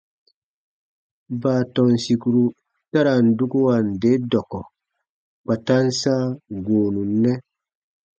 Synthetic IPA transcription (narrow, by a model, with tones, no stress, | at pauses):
baː˨tɔ˨nsi˨ku˨ɾu˨ | ta˦ɾa˨n̩˨du˦ku˦wa˨n˨de˨˦dɔ˨kɔ˨ | k͡pa˨ta˦nsaː˦ɡoː˨nũ˨nːɛ˦